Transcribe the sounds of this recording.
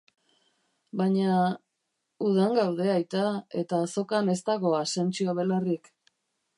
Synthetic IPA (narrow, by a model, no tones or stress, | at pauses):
baɲa | uð̞aŋɡawðe̞ajt̪ae̞t̪aːso̞kane̞st̪aɣo̞ase̞nt͡ʃiaβe̞larik